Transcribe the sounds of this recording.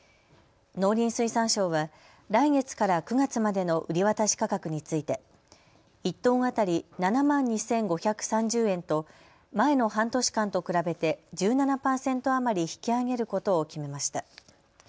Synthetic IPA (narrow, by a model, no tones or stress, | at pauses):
no̞ːɾʲĩɰ̃sɨisãɰ̃ɕo̞ːβa | ɾaiŋe̞t͡sɨ̥kaɾakɯ̟ɡat͡sɨmad̪e̞no̞ʔɯ̟ɾʲiβat̪aɕi̥kakakɯ̟ɲ̟it͡sɨit̪e̞ | it̪ːo̞ːŋat̪aɾʲinanamãɲ̟ːisẽ̞ŋɡo̞çʲakɯ̟̥sãɲ̟d͡ʑɨːẽ̞nt̪o̞ | mae̞no̞ɦãnt̪o̞ɕi̥kãnt̪o̞kɯ̟ɾabe̞t̪e̞d͡ʑɨːnanapaːsẽ̞nt̪o̞amaɾʲiçi̥kʲiaɡe̞ɾɯ̟ko̞t̪o̞ːkʲime̞maɕi̥t̪a